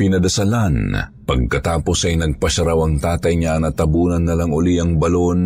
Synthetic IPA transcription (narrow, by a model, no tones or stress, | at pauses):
pɪnɐd̪ɐsɐlanpɐɡ̚kɐt̪aːpo̞sɐjnɐɡ̚pɐʃɐɾawɐŋt̪aːt̪ɐjɲanɐt̪ɐbuːnɐnːɐlaŋʊliʔɐŋbɐlon